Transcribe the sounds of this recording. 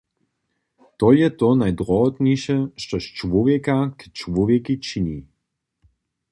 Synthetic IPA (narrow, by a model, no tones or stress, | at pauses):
t̪ɔjɛt̪ɔnajd̪ɾɔɔt̪niʃɛʃt̪ɔʃt͡ʃʋɔvjɛkakɛ̥t͡ʃʋɔvjɛkit͡ʃini